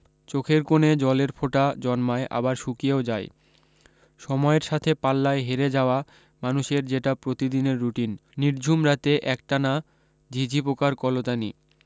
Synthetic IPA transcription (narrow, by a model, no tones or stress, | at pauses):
t͡ɕokʰeɾkoned͡ʑɔleɾpʰoʈad͡ʑɔnmaeʔa̰baɾʃukijaod͡ʑae | ʃɔmɔeɾʃat̪ʰepalːaeɦeɾed͡ʑaoa | manuʃeɾd͡ʑeʈapɾot̪id̪ineɾːuʈinːiɾd͡ʑʱumɾat̪eʔɛk̚ʈana | d͡ʑʱid͡ʑʱipokaɾkɔlot̪ani